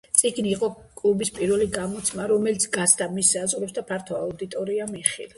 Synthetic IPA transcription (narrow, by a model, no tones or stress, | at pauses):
sʼiɡniːqʼɔ | kʼlubispʼiɾvɛliɡamɔt̪sʰmaɾɔmɛlit̪sʰɡasʰd̪amisazʁɾɛpsd̪apʰaɾt̪ʰɔaud̪it̪ʼɔɾiamiχḭlˠɛ